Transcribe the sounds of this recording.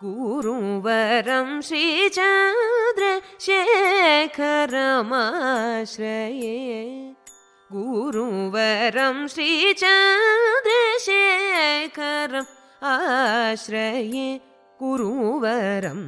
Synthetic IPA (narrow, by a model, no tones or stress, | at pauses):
ɡuɾuʋɐɾɐmʃɾit͡ʃɐd̪ɾɐʃe | kʰɐɾɐmaʃɾɐje | ɡuɾuʋɐɾɐmʃɾit͡ʃɐnd̪ɾɐʃe | kʰɐɾɐm | aʃɾɐje | ɡ̥uɾuʋɐɾɐ̰m